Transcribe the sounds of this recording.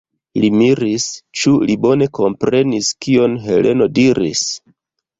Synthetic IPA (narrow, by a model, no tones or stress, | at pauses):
limiɾist͡ʃulibo̞ne̞ko̞mpɾe̞niskio̞nɦe̞lʔe̞no̞diɾḭs